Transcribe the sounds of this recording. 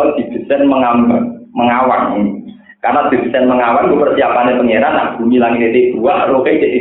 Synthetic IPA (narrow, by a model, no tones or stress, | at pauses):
ɔd̪̥i̤b̪̥i̤sɛnməŋambək̚məŋawan | karnad̪̥i̤bsɛnməŋawankupərsiapanepəŋeɾanːaʔb̥ṳnilaŋit̪et̪eb̥ṳaʔɾokaiteʔ